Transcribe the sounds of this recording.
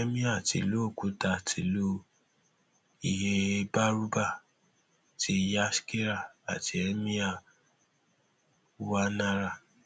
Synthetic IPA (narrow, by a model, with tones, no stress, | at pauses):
ɛ˦mĩ˦a˦˨tḭ˨lo˦˨ku˨˦ta˨tʰi˨lo˦ | i˨ɦe˧ba˦ɾu˦ba˦˨ | ti˧ja˦ske˦ɾa˨a̰˨ti˧˨ɛ˦mĩ˦a˦˨˧ | wa˦nã˧ɾa˦˨